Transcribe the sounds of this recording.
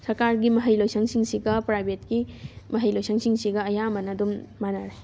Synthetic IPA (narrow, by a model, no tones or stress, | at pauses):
sɐɾkaɾɡimɐɦɐjlojsɐŋsiŋsiɡɐpɾajbʱetkimɐɦɐjlojsɐŋsiŋsiɡɐːjamɐnɐdumːanaɾaj